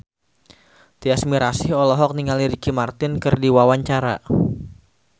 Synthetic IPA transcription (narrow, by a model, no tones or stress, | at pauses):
t̪iasmiɾasɪɦɔlɔɦɔk̚niŋaliɾikimart̪ɪnkɨrdiwawaɲt͡ʃaɾa